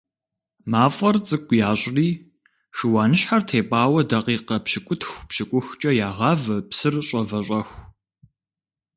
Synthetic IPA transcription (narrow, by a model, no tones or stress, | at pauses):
maːfʼɐrt͡sʼɨkʷʼjaːɕʼriː | ʂɨwaːnɨɕħartʰeːpʼaːwɐdɐqiːqɐpɕɪkʷʼʊtʰxʷpɕɪkʷʼʊxt͡ʃʼɐjaːʁɑːvɐpsɨrɕʼɐvɐɕʷʼɐxʷ